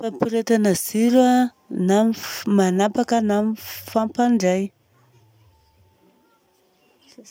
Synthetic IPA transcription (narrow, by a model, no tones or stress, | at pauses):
fapiɾet̪anaziɾua | namimanapakənamifampaɳɖ͡ʐaj